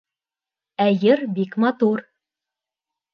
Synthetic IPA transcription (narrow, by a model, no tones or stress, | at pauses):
æjɘɾbikmɑt̪uɾ